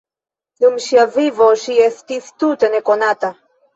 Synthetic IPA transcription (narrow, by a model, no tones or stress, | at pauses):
lumʃiavivoʃijest̪ist̪ut̪enekonat̪a